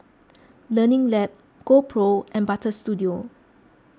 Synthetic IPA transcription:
lənɪ̃ŋlɛp̚ | ɡ̥opʰɹoʔɛ̃nbatəstudio

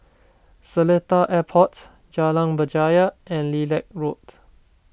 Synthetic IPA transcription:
sələtaʔɛpʰɔts | d͡ʒalãŋbəd͡ʒajəɛ̃nlilɛk̚ɹot

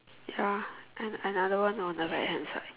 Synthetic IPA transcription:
jaʔɨ̃nənʌðəwʌ̃nɔ̃nðəɹaɪt̚hɛ̃nsa̰ɪ

